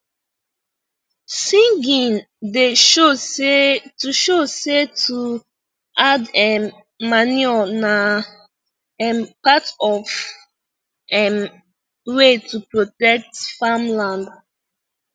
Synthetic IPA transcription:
sĩŋɡĩn | deo | tuʃosetʰu | adɛ | manualna | ɛpatɔv | ɛ | wetʰupɹotɛk̚tfamlãnd

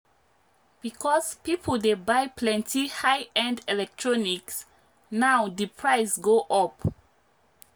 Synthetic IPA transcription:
b̥ikʰɔspipʰəldebajpʰlɛ̃ntʰihajɛ̃ndɛlɛk̚tʰɹɔniks | nawdəpʰɹaɪsɡoʔɔp

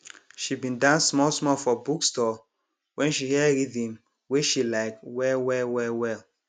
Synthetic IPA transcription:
ʃibĩndãnsmɔlsmɔfɔbukstɔ | wʔɛ̃nʃihɛɹidĩm | weʃilaɪkwɛwɛwɛwɛl

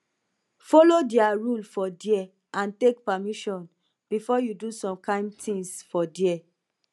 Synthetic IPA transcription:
fɔlodiaɹulfɔdiɛ | ãntek̚pamiʃɔ̃n | b̥ifɔjudusɔ̃mkãɪ̃mtʰĩnsfɔdiɛ

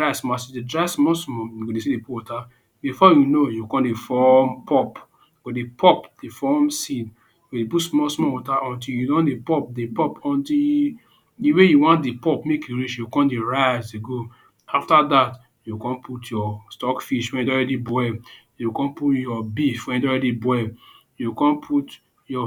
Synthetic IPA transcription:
asmasidedɹaɪsmɔsmɔjuɡodesidepupwɔta | bifɔjunojukɔ̃ndefɔmpʰɔp | ɡ̥odepʰɔpd̥efɔmsid | ɡodeputsmɔsmɔwɔtaʔɔ̃ntiljudɔ̃ndepɔp̚depɔpɔ̃nti | diwejuwãntdepɔpmekjuɹit͡ʃjukɔ̃ndeɹazdeɡo | aftadat | jukɔ̃npʰutjɔstɔkfiʃwɛ̃njudɔ̃ɹɛdibɔɛ | jukɔ̃nputjɔbifwɛ̃njudɔ̃ɹɛdibɔɛ | jukɔ̃npʰut | jɔ

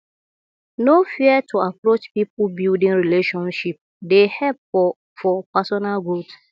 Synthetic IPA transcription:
nofiɛtʰuapɾot͡ʃpipl̩bildĩŋɾileʃɔ̃nʃip̚ | dehɛp̚ɔ | fɔpasɔnalɡot

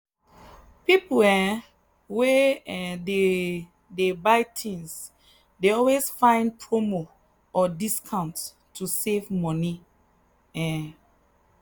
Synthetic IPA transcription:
pipuɛ | wɛɛde | debaɪtʰĩns | deɔlwesfãɪ̃npʰɹomo | ɔdiskʰãʊ̃nt | tʰːusevmɔni | ɛ̃

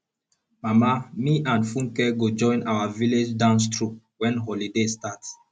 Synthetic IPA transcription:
mamamiʔãnfũŋkɛɡod͡ʒɔ̃ɪ̃nawaviled͡ʒdãʊ̃ns̬tɹu | wɛ̃nɦolidestats

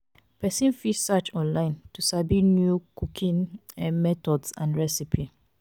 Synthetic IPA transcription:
pʰɛsĩnfisat͡ʃɔ̃nlãɪ̃ntʰusabinjukʰukʰĩnɛmɛtʰɔdsã̰nɹɛsipʰi

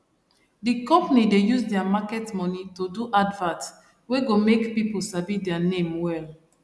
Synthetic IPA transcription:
dikɔ̃mpnidejusdɛamakɛtmɔnitoduʔadvãt | weɡomekpiposabidɛanẽmwɛl

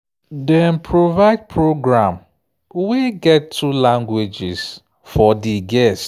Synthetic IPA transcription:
dɛ̃npʰɹovaɪd̚pʰɹoɡɹãm | wiɡɛtʰːulãŋɡwed͡ʒɪs | fɔdiɡɛst

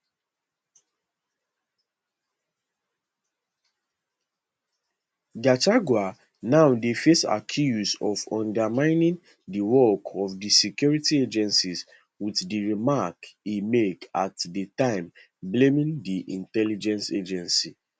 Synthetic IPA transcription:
ɡataɡwa | naʊdefesa̰kʰjuzɔvɔ̃ndamãɪ̃nĩn | diwɔkʰɔfdisɛkjɔɹitied͡ʒɛ̃nsiz | widdiɹimakimeka̰tditãɪ̃m | blẽmĩndiʔĩntɛlid͡ʒɛ̃nsed͡ʒɛ̃nsi

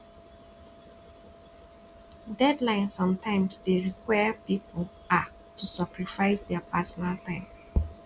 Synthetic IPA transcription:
dɛdlãɪ̃nsːɔ̃mtãɪ̃msdeɹikwajapipʰl̩ | a | tusakɹifaɪsdɛapasɔnaltãɪ̃m

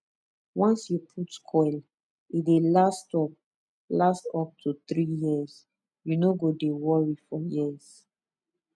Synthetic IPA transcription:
wɔ̃nsjupʰutkʰɔɪl | idelastɔp̚ | lastɔp̚tʰut̪ɹijiz | junoɡodewɔɹifɔjiz

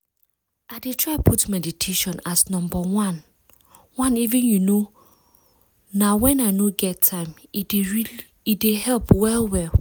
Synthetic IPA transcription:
aɪdetʰɹaɪpʰutmɛditʰeʃɔ̃nasnɔ̃mbawãn | wãnivĩnjuno | nawɛ̃naɪnoɡɛtʰːãɪ̃mɹi | idehɛlpwɛlwɛ

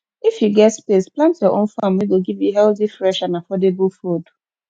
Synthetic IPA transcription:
ifjuɡɛtspesplãntsjɔʔõnfamwiɡoɡivjuɦɛlθifɹɛʃãnafɔdebʊlfod

